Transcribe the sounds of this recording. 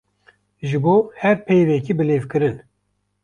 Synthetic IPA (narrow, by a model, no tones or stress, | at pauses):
ʒɨboːhɛɾpʰejvɛkiːbɨleːvkɨɾɨn